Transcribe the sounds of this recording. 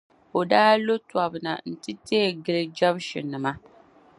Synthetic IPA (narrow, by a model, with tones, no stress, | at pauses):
o˨daː˦lo˦twa˨bɨ˨na̰˨n̩˨tɨ˦te˦˨ɡɨ˦lɨ˦d͡ʒa˦bʃɪ̰˨nːɨ˨ma˦